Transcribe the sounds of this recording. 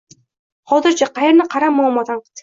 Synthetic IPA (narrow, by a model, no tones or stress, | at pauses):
hɒzɪɾt͡ʃʰaqʰɑjeɾnɪqʰɑɾammːʊamːɒd̪anqt̪ʰ